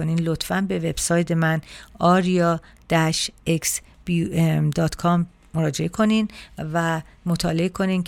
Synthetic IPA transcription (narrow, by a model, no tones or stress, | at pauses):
oniːnlot̪fænbe̞ve̞b̥sɒːjt̪ʰe̞mænɒːɾijɒː | d̪̥æʃeks | bmd̪ɒːt̪kʰɒmː | oɾɒːd͡ʒe̞ʔekʰo̞niːnvæmot̪ʰɒːle̞ekʰo̞niːn